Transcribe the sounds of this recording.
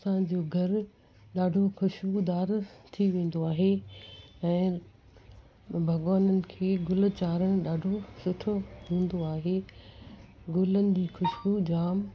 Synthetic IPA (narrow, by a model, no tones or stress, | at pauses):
sãd͡ʑoːɡʱɐɾ | ɗaːɖʱoxʊʃbud̪aːɾt̪ʰiʋẽːn̆d̪oaːɦe | ɛ̃ː | bʱɐɡʋaːnənɪ̆kʰeːɡʊlt͡ɕaːɾəɽ̃ɗaːɖʱosʊʈʰoɦũːn̆d̪oaːɦe | ɡʊlənɪ̆d͡ʑiːxʊʃbud͡ʑaːm